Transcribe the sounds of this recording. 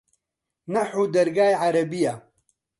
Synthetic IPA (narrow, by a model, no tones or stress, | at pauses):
nɐħuːd̪ɐɾɡaːjʕaɾɐbija